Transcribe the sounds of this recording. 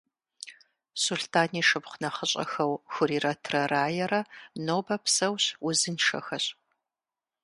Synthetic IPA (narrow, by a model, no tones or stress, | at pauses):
suɬtʰaːniːʂɨpχʷʊnɐχəɕʼɐ̰xɐwxʷʊɾiːrɐtʰrɐraːjɛɾɐnoːbɐpʰsɐwɕʊzɨnʂɐ̰xɐɕʼ